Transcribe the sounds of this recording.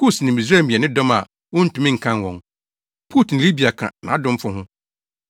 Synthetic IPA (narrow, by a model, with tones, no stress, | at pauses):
kʰu˦˨snɪ̃˨m˨i˨s̬a˦˨mĩ˨ɛ˨nɪ̃˦dɔ̃˦ma̰˨ | wʊ̃˦n̩˦tũ˨mĩ˦ŋ̩˨kʰã˦n˨wɔ̰̃˨ŋ | pʰu˦tʰn̩˨li˦bi˨a˨kʰã̰˨nã̰˨a˦dʊ̃˦m̩˦fʊ˦ɦʊ̃˦